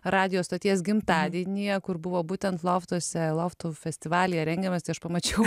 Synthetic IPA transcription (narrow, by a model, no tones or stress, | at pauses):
ɾɑːd̪ʲɪjoːst̪oːt̪ʲiɛsɡʲɪmt̪ɑːd̪ʲiɛnʲijɛkʊɾbʊʋoːbuːt̪ʲɛnt̪lˠoft̪uɔsʲɛlˠoft̪ofʲɛsʲt̪ʲɪʋɑːlʲɪjɛɾʲɛŋʲɡʲɛmɐst̪ɐɪɐʃpɐmɐt͡ʃʲɛʊ